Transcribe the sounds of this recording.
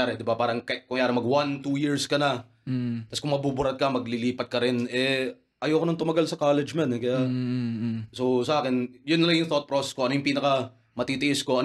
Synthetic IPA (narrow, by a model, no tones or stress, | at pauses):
aːɾɛd̪ɪbapaːɾɐŋkɐkʊŋjaːɾɪŋmɐɡwant̪uːjiɹskɐnɐ | t̪ɐskʊŋmɐbubʊɾɐt̪̚kɐmɐɡlɪliːpɐt̪̚kɐɾɪnɛ | ʔɐjoːkonɐŋt̪ʊmɐɡalsɐkaːlɛd͡ʒmɐnɛkɐjaʔ | sosɐʔaːkɪnjʊnːɐlɐŋjʊŋθot̪̚pɾoːsɛskoɐnojʊŋpiːnɐkɐ | mɐt̪it̪ɪʔɪskoʔɐn